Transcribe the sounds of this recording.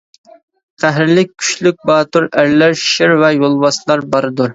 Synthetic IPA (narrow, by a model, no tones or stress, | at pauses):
qʰæɦɾɪlɪk̚ʲʰːy̥ʃlyk̚ʲbɑːt̪uɾæɾlæɾʃɪɾvɛjolˠvɑslˠɑɾbɑɾɨd̪uɾ